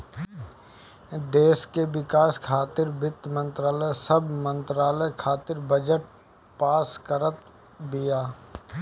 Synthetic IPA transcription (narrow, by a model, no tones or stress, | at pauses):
d̪eːskeʋɪkaːskʰaːt̪ɪɾbɪt̪mə̃nt̪ɾaːləsəbmə̃nt̪ɾaːləjkʰaːt̪ɪɾbəd͡ʒəʈ̚ | paːskəɾət̪ | bɪjaː